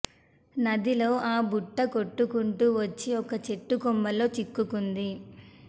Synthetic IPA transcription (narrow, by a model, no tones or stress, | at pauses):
nɐd̪iloːʔaːbuʈːɐkoʈːukuɳʈuʋɐt͡ʃːiɔkɐt͡ʃe̞ʈːukɔmːɐlo̞ːt͡ʃikːukund̪i